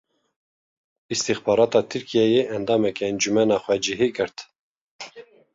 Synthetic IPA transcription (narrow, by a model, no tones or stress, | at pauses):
ist̪ixbɑːɾɑːt̪ɑːt̪ʰɨɾkʰijɛjeːʔɛnd̪ɑːmɛkɛɛnd͡ʒumɛnɑːxʷwɛd͡ʒiɦiɡɨɾt̪